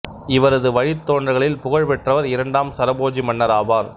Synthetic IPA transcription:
ɪʋɐɾɐðɯʋɐɻɪt̪ːoːɳdrɐɣɐɭɪlpʊɣɐɻpɛʈrɐʋɐɾɪɾɐɳɖaːmsɐɾɐboːd͡ʒimɐnːɐɾaːʋaːɾ

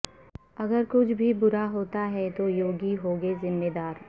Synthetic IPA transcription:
ɐɡəɾkʊt͡ʃʰbʱibʊɾaɦoːt̪aɦɛt̪ojoːɡiɦoːɡezɪmːed̪aːɾ

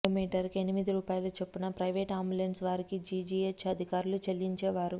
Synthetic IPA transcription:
omiːʈɐɾkienimid̪iɾuːpaːjɐlut͡ʃe̞pːunɐpɾɐjʋeːʈaːmbulenɖsʋaːɾikid͡ʒid͡ʒiet͡ʃɐd̪ʱikaːɾulut͡ʃelːiɲt͡ʃeːʋaːɾu

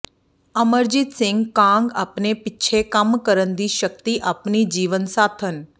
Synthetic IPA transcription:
əməɾd͡ʒit̪sɪ̃ŋɡkãŋɡapnepɪːt͡ʃʰekamkəɾənd̪iʃəkt̪iʔapnid͡ʒiʋənsat̪ʰən

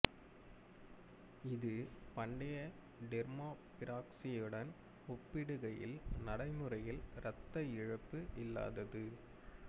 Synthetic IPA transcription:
ɪðɯpɐɳɖɐjɐ | ɖɛɾmaːpɪɾaːksɪjɯɽɐn | ɔpːɪɽɯɣɐjɪ̰lnɐɽɐɪmɯrɐjɪlɾɐt̪ːɐɪɻɐpːɯʔɪlːa̰ːðɐðɯ

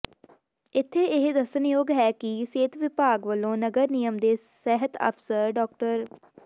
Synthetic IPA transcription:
ɪt̪ʰːeːɪɦd̪əsənjoːɡɦɛːkɪseːt̪ʰʋɪpaːɡʋəlːõːnəɡəɾnijəmd̪eːsɛɦət̪ə̰pʰsəɾɖɔːk̚ʈəɾ

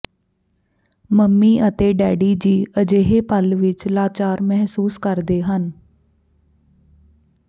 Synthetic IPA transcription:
məmːiːʔət̪eːɖɛːɖiːd͡ʒiːʔəd͡ʒeːɦeːpəlʋɪt͡ʃlaːt͡ʃaːɾmɛɦsuːskəɾd̪eːɦən

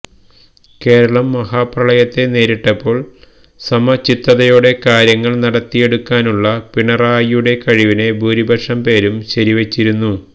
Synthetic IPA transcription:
ke̞ːɾɐɭɐmːɐhaːprɐɭɐjɐt̪ːe̞ne̞ːɾiʈːɐpːo̞ːɭ | sɐmɐt͡ɕit̪ːɐðɐjoːɽe̞kaːɾjɐŋːɐɭnɐɽɐt̪ːije̞ɽukːaːnuɭːɐpiɳɐraːjuɽe̞kɐɻiʋine̞bʱuːɾibʱɐʂɐmpe̞ːɾumɕɐɾiʋet͡ɕːiɾunːu

